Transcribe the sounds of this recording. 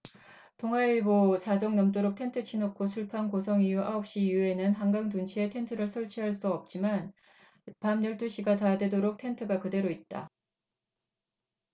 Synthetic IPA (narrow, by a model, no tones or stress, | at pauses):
toŋaiɭbot͡ɕad͡ʑʌŋnʌmt̬͈oɾok̚tʰe̞ntʰɯt͡ɕʰinokʰːosʰuɭpʰankos̬ʰʌŋijuaʌp̚ɕ͈ijue̞nɯnɦaŋɡaŋtunt͡ɕʰie̞tʰe̞ntʰɯɾɯɭsʰʌɭt͡ɕʰiɦaɭs͈uʌp̚t͡ɕ͈iman | pamɲʌɭt͈uɕʰiɡatadwe̞doɾok̚tʰe̞ntʰɯɡakɯde̞ɾoit̚t͈a̰